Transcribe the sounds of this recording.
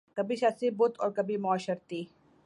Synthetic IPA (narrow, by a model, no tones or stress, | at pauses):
kɐbʱiʃɐsibʊt̪ɔːɾkɐbʱimʊaːʃəɾt̪iː